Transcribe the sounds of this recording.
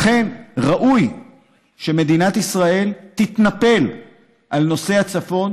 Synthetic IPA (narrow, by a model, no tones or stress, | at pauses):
χe̞nʁaʔuj | ʃeme̞d̪inat̪isʁae̞lt̪it̪nape̞l | ʔalno̞se̞hat͡safo̞n